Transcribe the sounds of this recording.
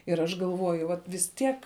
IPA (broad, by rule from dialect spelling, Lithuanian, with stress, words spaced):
ɪr ˈɐʃ ɡɐlˠˈʋoːjʊ ˈʋɐt ʋʲɪs ˈtʲiɛk